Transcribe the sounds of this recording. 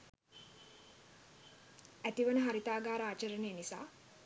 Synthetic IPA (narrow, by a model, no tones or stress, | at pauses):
æt̪iʋənəɦaɾit̪aːɡaːɾəaːt͡ʃəɾənejnisa̰ː